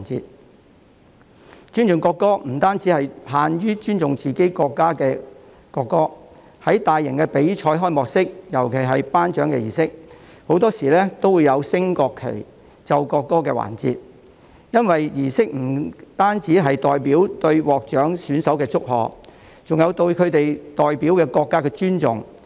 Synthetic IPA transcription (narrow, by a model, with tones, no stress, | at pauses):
nt͡sḭː˧t̚ | t͡ʃyː˥nt͡sʊ˨ŋkɔː˧kːɔː˥m̩˨˩t̪aː˥nt͡siː˨˥hɐ˨jhaː˨njyː˥t͡ʃyː˥nt͡sʊ˨ŋt͡siː˨ke˨˥jkɔː˧kːaː˥kɛː˧ | kɔː˧kːɔː˥ | hɐ˨˥jt̪aː˨jːɪ˨˩ŋkɛː˧pe˨˥jt͡ʃʰɔː˧˥jɦɔː˥jmɔː˨k̚sɪ˥k̚jɐ˨˩wkʰe˨˩jɦɐ˨jpaː˥nt͡ʃœː˨˥ŋkɛ̰˧jiː˨˩sɪ˥k̚ | ho˨˥wt̪ɔː˥siː˨˩lɛː˥t̪o˥wuː˨˧jɐ˨˧wsɪ˥ŋkɔː˧kʰːḛ˨˩j | t͡sɐ˧wkɔː˧kːɔː˥kɛː˧wa̰ː˨˩nt͡sḭː˧t̚ | jɐ˥nwɐ˨jjiː˨˩sɪ˥k̚m̩˨˩t̪aː˥nt͡siː˨˥ɦɐ˨jt̪ɔː˨jpiː˨˥wt̪ɵ˧ɥwɔː˨k̚t͡ʃœː˨˥ŋsyː˨˥nsɐ˨˥wkɛː˧t͡sʊ˥k̚ɦɔ̰ː˨k | t͡sʊ˨ŋjɐ˨˧wt̪ɵ˧ɥkʰɵ˨˧ɥt̪e˨jt̪ɔː˨jpiː˨˥wkɛː˧kɔː˧kːaː˥kɛː˧t͡ʃyː˥nt͡sʊ̰˨ŋ